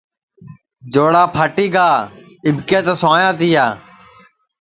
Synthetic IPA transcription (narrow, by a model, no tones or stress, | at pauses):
d͡ʒoːɽaːpʰaːʈiːɡaː | ɪbʱkẽːt̪əsʊãːjãːt̪iːjaː